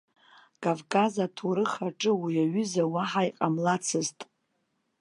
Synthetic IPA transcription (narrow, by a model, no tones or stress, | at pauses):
kʼavkʰʼazatʰuɾɨχaʈ͡ʂʼɨwijaɥʏzawaħajqʼamlat͡sʰɨztʼ